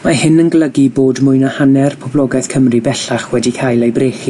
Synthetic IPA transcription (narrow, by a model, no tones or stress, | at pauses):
mahɪnənɡlˠəɡiboːdmʊɨnahanɛrpʰɔblˠɔɡɛθkʰəmribɛɬaχwɛdikʰajlˠejbreːχi